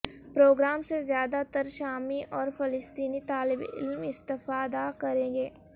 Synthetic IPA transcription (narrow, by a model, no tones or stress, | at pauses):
pɾoːɡɾaːmsezjaːd̪at̪ɐɾʃaːmiʔɔːɾfɪlɪst̪iːnit̪aːlɪbɪ̰lmɪst̪ɪfaːd̪akɐɾẽːɡeː